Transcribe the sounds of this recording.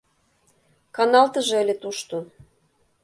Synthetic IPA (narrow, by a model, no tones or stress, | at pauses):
kɑnɑlt̪ə̆ʒɤ̆əlʲĕt̪uʃt̪o